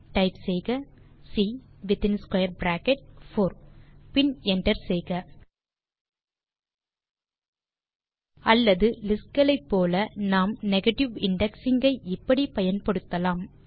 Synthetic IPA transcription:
ʈɐɪpsɛjɣɐsiːʋɪt̪ɪnskwɐjɐɾbɾaːkɛʈ̚foːɾpɪnɛɳʈɐɾsɛjɣɐ | ɐlːɐðɯlɪskɡɐɭɐɪpːoːlɐnaːmnɛɣɐʈɪʋɪɳɖɛksɪŋɡɐɪʔɪpːɐɽipɐjɐnpɐɽɯt̪ːɐlaːm

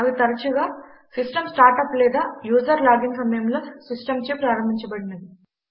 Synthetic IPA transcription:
ɐʋit̪ɐɾɐt͡ʃuɡaː | sisʈɐmsʈaːɾʈɐplɛːd̪aːjuːsɐɾlaːɡiŋsɐmɐjɐmloːsisʈɐmt͡ʃeːpɾaːɾɐmbʱiɲt͡ʃɐbɐɽinɐd̪i

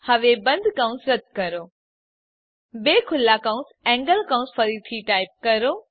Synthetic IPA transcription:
hɐʋebɐ̃nd̪ʱkãʊ̃sɾɐt̪̚kɐɾoː | beːkʰʊlːakãʊ̃nsɛ̃ːŋɡəlkãʊ̃sfʰɐɾit̪ʰiʈaːɪp̚kɐɾoː

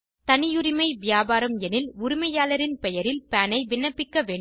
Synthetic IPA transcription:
t̪ɐnɪjʊɾɪmɐɪʋɪjaːbaːɾɐmɛnɪlʊɾʊmɐjaːlɐɾɪnpɛjɐɾɪlpɛːnɐɪʋɪɳːɐpːɪkːɐʋeːɳ

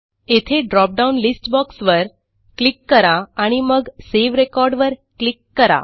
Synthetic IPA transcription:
et̪ʰeɖɾɔp̚ɖaunlisʈbɔksʋəɾ | klikːəɾaaɽ̃iməɡseʋɾekɔɾɖʋəɾklikːəɾa̰

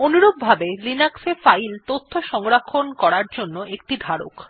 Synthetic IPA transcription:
onuɾobbʱabelinaksefajlt̪ot̪ʰːoʃɔŋɾakʰːonkɔɾaɾd͡ʑonːoʔek̚ʈid̪ʱaɾo̰k

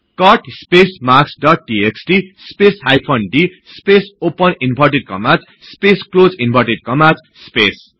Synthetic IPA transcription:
kʌʈspesmaksɖʌʈ̚ɖieksʈispesɦajpʰʌnɖi | spesopʌninpʰʌrʈeɖ̚kʌmat͡s | spesklod͡zinbʱʌrʈeɖ̚kʌmad͡z | spes

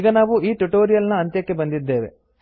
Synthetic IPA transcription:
iɡɐnaːʋuiːʈuʈo̞ːɾijɐlnɐɐnt̪jɐkːe̞bɐnd̪id̪ːe̞ːʋe̞̰

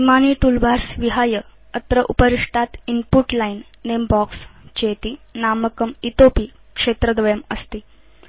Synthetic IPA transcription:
imaniːʈulbʱaɾsʋiɦajə | ət̪ɾəʔupəɾiʂʈʰat̪inpuʈlainːembɔkst͡ɕet̪iːnaməkəmit̪opiː | kʂet̪ɾəd̪ʋəjəməst̪iː

